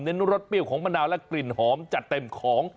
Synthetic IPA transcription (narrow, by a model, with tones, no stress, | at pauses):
mne˦˥nːu˦˥ɾo˦˥t̪̚pi˥˩əwkʰɔː˩˦ŋma˧ndaː˧wlɛ˦˥kli˨˩nhɔː˩˦mt͡ɕa˨˩t̪ːe˧˩mkʰɔː˩˦ŋ